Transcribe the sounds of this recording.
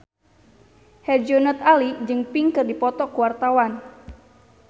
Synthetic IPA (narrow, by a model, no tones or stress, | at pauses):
hɛd͡ʒɔnət̪̚alid͡ʒɨŋpiŋkɨrdipɔt̪ɔkuwart̪awan